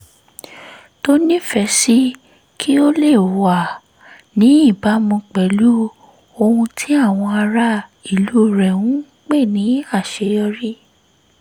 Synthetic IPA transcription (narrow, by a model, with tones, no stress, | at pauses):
to˦nĩ˦fɛ˧si˦ | kʰi˦o˦le˦˨wa˨ | nĩ˨˦i˦˨ba˨˦mũ˧k͡pɛ˨˦lu˦ | o˧hũ˧tʰi˦a˦˨w̃ɔ̃˧a˧ɾa˧˦i˨lu˨˦˨ɾɛ˨wũ˨˦ | k͡pe˦˨nĩ˨˦a˦˨ʃe˨˧˦jɔ˧ɾi˦